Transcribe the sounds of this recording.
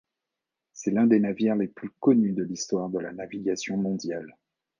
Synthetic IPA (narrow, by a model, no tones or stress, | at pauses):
sɛlɛ̃d̪enaviʁleplykɔnyd̪əlist̪waʁd̪əlanaviɡasjɔ̃mɔ̃d̪jal